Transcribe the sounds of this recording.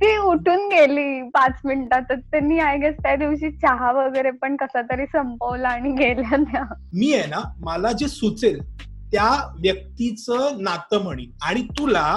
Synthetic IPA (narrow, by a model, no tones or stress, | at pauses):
t̪iːuʈʰuːnɡeliːpat͡sminʈat̪ːət̪anːiːajɡest̪jad̪iʋɕiːt͡ɕaɦaʋəɡəjɾepəɳkəsat̪əɾiːsəmpəʋlaːɽ̃iɡeljat̪jamiːjɛnaməlad͡ʑesut͡sel | t̪jaʋjək̚t̪it͡sənat̪əm̤əɽ̃iːlaɽ̃it̪ula